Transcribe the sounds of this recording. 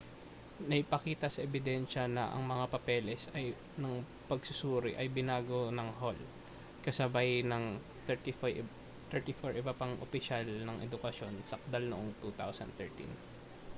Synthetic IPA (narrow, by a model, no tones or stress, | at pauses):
nɐʔɪpɐkiːt̪ɐsɐʔɛbɪd̪ɛnʃɐnɐʔɐ̰ŋmɐŋapɐpɛːlɛsɐj | nɐŋ | pɐɡsʊsuːɾɪʔɐjbɪnaːɡonɐŋɦol | kɐsɐbajnɐŋ | ɛt̪i | t̪ɛɹt̪ifoɹʔɪbapɐŋʔo̰pɪʃalnɐŋʔɛd̪ʊkɐʃjo̞nsɐk̚d̪ɐlnoʔoŋt̪ut̪a̰wsɐ̰nt̪ɛɹt̪ḭn